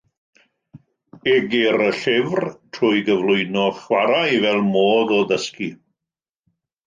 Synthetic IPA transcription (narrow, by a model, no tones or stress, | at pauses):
ɪɡiɾəɬɪvrtʰrʊːjɡəvlʊɨnɔχwaɾaivɛlˠmoːðɔðəski